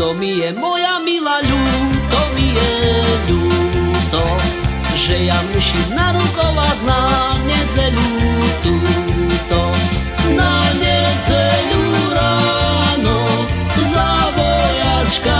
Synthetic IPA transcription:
t̪ɔmijɛmɔjamilaʎut̪ɔmijɛʎut̪ɔ | ʒɛjamusimnaɾukɔʋad͡znaɲɛd͡zɛʎut̪ut̪ɔ | naɲɛd͡zɛʎuɾanɔ | zabɔjat͡ʃka

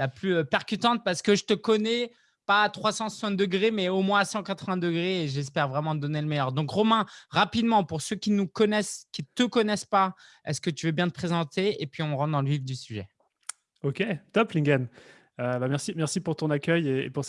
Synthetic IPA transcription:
laplyøpɛʁkʲyt̪ɑ̃t̪̚paʁsə̥kəʒət̪əkɔnɛ | paːt̪χwasɑ̃sɛ̃d̪əɡʁemɛomwɛ̃sɑ̃kat̪χəvɛ̃d̪əɡʁeːʒɛs̬pɛʁvʁɛmɑ̃d̪ɔneləmɛjœʁd̪ɔ̃kʁɔmɛ̃ʁapid̪mɑ̃puʁsøkʲinukɔnɛskʲit̪əkɔnɛspa | ɛ̰skət̪yvøbjɛ̃t̪əpχezɑ̃t̪eepɥiɔ̃ʁɑ̃t̪d̪ɑ̃ləvivd̪ysyʒɛ | okʲet̪ɔplĩɡʲan | øbamɛʁsimɛʁsipuʁt̪ɔ̃nakʲœjeḛpuʁs

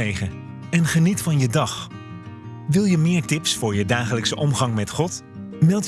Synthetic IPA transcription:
ejχə | ɛnχənitfɑnjədɑχ | ʋɪlˠjəmɪːɹtɪpsfʊːɹjədaːχələksəʔɔmχɑŋmɛtχɔt | mɛlˠt

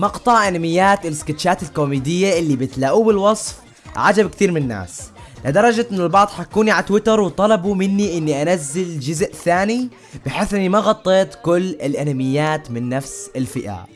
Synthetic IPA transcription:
mɑqt̪ˤɑʕʔanamɪjːaːt̪ɪlɪskɪt̪ʃaːt̪ɪlkoːmiːd̪ɪjːaʔɪlːibɪt̪laʔuːbɪlwɑsˤf | ʕad͡ʒabkt̪iːɾmɪnɪnːa̰ːs | lad̪ɑɾˤɑd͡ʒaɪnɪlbɑʕd̪ˤħakːuːniʕat̪wɪt̪ɑɾˤwt̪ˤɑlɑbumɪnːiʔɪnːiʔanazːɪld͡ʒʊzʔθaːni | b̥ɪħeːθʔɪnːimaɣɑt̪ˤːeːt̪kʊlːɪlʔanamɪjːaːt̪mɪnːafsɪlfɪʔa̰

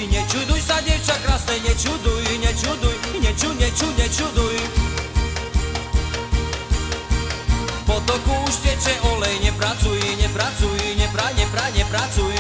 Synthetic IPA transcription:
ɲɛt͡ʃud̪ujsadɛwt͡ʃakɾasnɛjɲɛt͡ʃud̪ujɲɛt͡ʃud̪ujɲɛt͡ʃuɲɛt͡ʃuɲɛt͡ʃud̪uj | pɔt̪ɔkuuʃcɛt͡ʃɛʔɔlɛjɲɛpɾat͡sujiɲɛpɾat͡sujɲɛpɾajɲɛpɾaɲɛpɾat͡suj

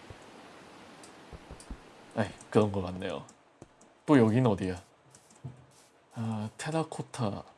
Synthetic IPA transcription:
ajkɯɾʌnɡʌk͈anːe̞jo̰ | t͈ojʌɡinɯʌdia | atʰeɾakʰotʰa

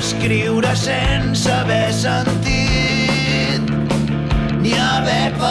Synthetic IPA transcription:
skɾiwɾəsensəβɛsənt̪i | t̪̚ | niəβɛpə

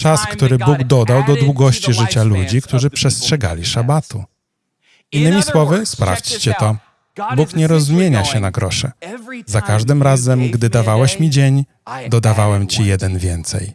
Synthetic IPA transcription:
t͡ʂaskt̪uɾɘbuɡd̪ɔd̪awd̪ɔd̪wuɡɔɕt͡ɕiʐɘt͡ɕalud͡ʑikt̪uʐɘpʂɛstʂɛɡa̰lʲiʂabat̪ṵ | inːɘmʲiswɔvɘspɾa̰ft͡ɕt͡ɕɛt̪ɔ | bukɲɛɾɔzmʲjeɲaɕɛnaɡɾɔʂɛ̰zakaʐd̪ɘmɾazɛmɡd̪ɘd̪avawɛɕmʲid͡ʑeɲ | d̪ɔd̪avawɛmt͡ɕijɛd̪ɛnvʲjɛnt̪sɛ̰j

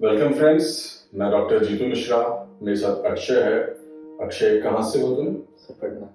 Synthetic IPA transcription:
ʋɛlkə̃mfɾɛ̃nɖsnaɖɔːk̚ʈəɾd͡ʒiːt̪unɪʃɾameːɾesaːt̪ʰɐkʃʰəɦɛɐkʃəɦɛkɐɦãseɦoːt̪ũnsɐb̚kɐʈna

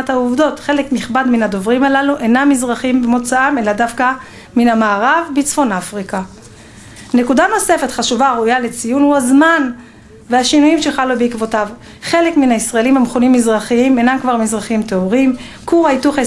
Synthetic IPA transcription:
athauvdo̞tχe̞lekmiχbadminado̞vʁimalaluʔenamːizʁaχimbemo̞t͡saame̞ladafka | minamaːʁavbit͡sfo̞nafʁika | ne̞kudano̞se̞fe̞tχaʃuvaʁujale̞t͡sijunhuazman | veaʃinujimʃeχalubeikvo̞tav | χe̞le̞kminaisʁaelimhamχonimːizʁaχiime̞namkvaʁmizʁaχimteoʁim | kuʁajtuχe

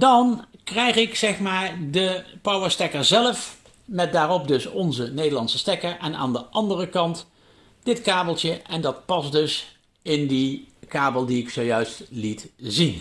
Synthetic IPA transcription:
dɑnkrɛjχɪksɛχmaːɹdəpʌwəɹstɛkəɹzɛləf | mɛt̚daːrɔp̚dɵsɔnzənejdəlɑnsəstɛkəɹʔɛna̰ːndəʔɑndərəkɑnt | dɪtkaːbəlˠtjəʔɛndɑt̚pɑsdɵs | ɪndikaːbəlˠdiɪksowjœɥstlitzin

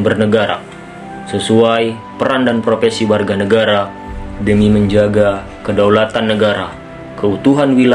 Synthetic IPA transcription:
bərnəɡaɾa̰ | səsuaj | pəɾandanpɾofɛsiwarɡanəɡaɾa | dəmiməɲd͡ʒaɡa | kədawlat̪anːəɡaɾa | kəut̪uɦanwila

